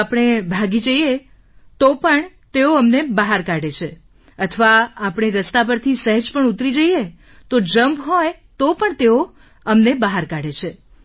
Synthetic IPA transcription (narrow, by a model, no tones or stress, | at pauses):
apəɽ̃ebʱaɡid͡ʒəije | t̪opəɳ | t̪eoəmnebəɦaɾkaɽet͡ʃʰe | ət̪ʰəʋaapɽ̃eɾəst̪ap̬əɾt̪ʰisəɦəd͡ʒpəɳut̪ɾid͡ʒəje | t̪od͡ʒəmbɦɔj | t̪opəɳt̪eo | əmnebəɦaɾkaɽet͡ʃʰe